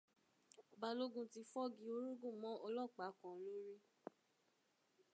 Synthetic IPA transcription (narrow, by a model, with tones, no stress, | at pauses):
ba˧lo˦ɡũ˦˨ti˧˦fɔ˦ɡi˧˦o˧˦ɾu˦ɡũ˦˨mɔ̃˨˦ʔɔ˧lɔ˦˨k͡pa˨˦kɔ̃˨˦lũ˦ɾi˦